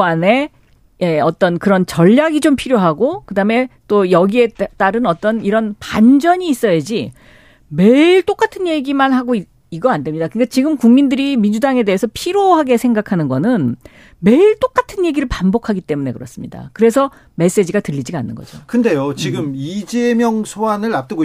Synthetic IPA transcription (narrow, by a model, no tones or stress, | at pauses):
ane | jeʌt͈ʌnkɯɾʌnt͡ɕʌʎːaɡid͡ʑompʰiɾjoɦaɡokɯdame̞t͈ojʌɡie̞t͈aɾɯnʌt͈ʌniɾʌnpand͡ʑʌɲiːs͈ʌjed͡ʑi | me̞iɭt͈ok͈atʰɯnje̞ɡimanɦaɡoi | iɡʌandemɲidakɯnkat͡ɕiɡɯmkuŋmindɯɾimind͡ʑudaŋe̞de̞esʰʌpʰiɾjoɦaɡe̞sʰe̞ŋɡakʰanɯnɡʌnɯn | me̞iɭt͈ok͈atʰɯnje̞ɡiɾɯɭpambokʰaɡit͈e̞mune̞̰kɯɾʌs͈ɯmɲḭda̰kɯɾe̞s̬ʰʌ | me̞s͈e̞d͡ʑiɡatɯʎːid͡ʑiɡanːɯ̰nɡʌ̰d͡ʑokɯnde̞jot͡ɕiɡɯmid͡ʑemjʌŋsʰoanɯɭap̚t͈ɯɡo